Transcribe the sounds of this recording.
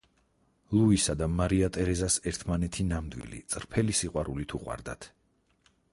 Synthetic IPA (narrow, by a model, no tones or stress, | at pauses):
lˠuisad̪amaɾiat̪ʼɛɾɛzasɛɾt̪ʰmanɛt̪ʰinamd̪wḭlḭt̪sʼɾpʰɛlisiqʼwaɾulit̪ʰuqʼwa̰ɾd̪a̰t̪ʰ